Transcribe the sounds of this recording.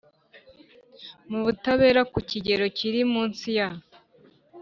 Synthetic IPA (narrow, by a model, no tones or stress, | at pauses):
muβutaβe̞ːɾakuciɟe̞ɾo̞ciɾimuːnsija